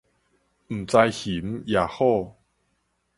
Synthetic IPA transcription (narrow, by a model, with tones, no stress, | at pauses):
m̩˨˩t͡sa˧jhi˨˦mja˨˧ho˥˧˨